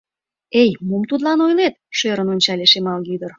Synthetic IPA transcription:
ejmumt̪ud̪lɑnojlet̪ʃøɾənonʲt͡ɕɑlʲeʃemɑlɡyd̪ər

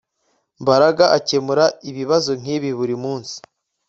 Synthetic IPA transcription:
mbaɾaɡaʔace̞muɾaiβiβazoŋ̥iːβiβuɾimuːnsi̥

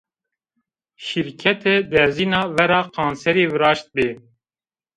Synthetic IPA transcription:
ʃiɾkʰɛt̪ʰɛd̪ɛɾziːnɑːvɛɾɑːqʰɑːnsɛɾiːvɨɾɑːʃt̪̚beː

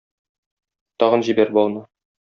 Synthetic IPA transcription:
t̪ɒʁɤnʑibæɾbɒlˠnɤ

